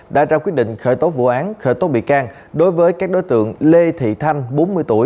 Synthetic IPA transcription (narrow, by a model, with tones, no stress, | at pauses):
ɗa̰ː˧˥t͡ɕaː˧kwi˦˥ət̚ɗḭ˧˨ŋ̟xəː˧˩jt̪o˨˦vṵ˧˨ʔaː˨˦nxəː˧˩jt̪o˨˦ɓḭ˧˨kaː˧ŋ | ɗo˨˦jvəː˨˦jkaː˦˥k̚ɗo˨˦jt̪ɨ̰˧˨əŋle˧t̪ʰḭ˧˨t̪ʰa˧jŋ̟ɓo˨˦nmɨ˧əjt̪u˧˩əj